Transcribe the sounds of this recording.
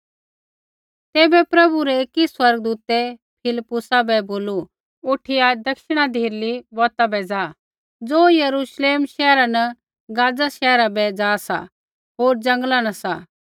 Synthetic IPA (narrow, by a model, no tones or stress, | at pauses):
t̪eːbɛpɾɐbuɾɛeːkiswɐɾɡd̪uːt̪ɛpʰɪlpːʊsabɛboːlu | ʊʈʰɪjad̪ɐkʃɪɽ̃ad̪ʱiːɾlibɔːt̪abɛd͡zaː | d͡zoːjɐɾuʃleːmʃɛːɾanɐ | ɡaːd͡zaʃɛːɾabɛd͡zaːsa̰ | ɦoːɾd͡zɐ̃ŋɡlanɐsa